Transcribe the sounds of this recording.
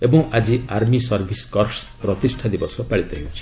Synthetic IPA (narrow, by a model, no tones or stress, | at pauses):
ebɔ̃ŋʔad͡ʒiaɾmisɔɾbʱiskɔrspɾɔt̪isʈʰad̪ibɔsɔpaɭit̪ɔɦewt͡ʃʰi̥